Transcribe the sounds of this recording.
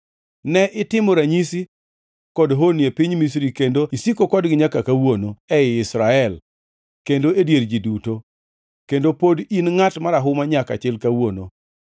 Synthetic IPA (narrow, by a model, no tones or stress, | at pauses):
nɛʔɪtɪmoɾaɲisi | kɔdɦonjepiɲmis̬ɾikendoisikokɔdɡɪɲakakawonoɛɪɪsɾaɛl | kendoedjeɾd͡ʒiduto | kendopodinŋatmaɾaɦʊmaɲaka̰t͡ʃɛlkawono